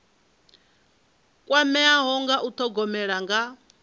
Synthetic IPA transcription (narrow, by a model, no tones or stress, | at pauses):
kʼwamɛaɦɔŋɡaʔut̪ʰɔɡɔmɛɺaŋɡa